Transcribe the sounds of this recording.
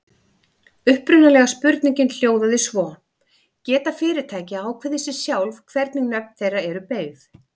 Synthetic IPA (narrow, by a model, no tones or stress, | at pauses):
ʏhpɾʏnːalɛɣaspʏɾt̪niɲcɪnl̥joːwðaðɪsvɔ | cɛːt̪afɪːɾɪɾ̥t̪ʰaːjcɪaːwkʰvɛðɪsɪsjawlvkʰvɛɾt̪niŋnɛpnθejraɾɛɾʏpeːjv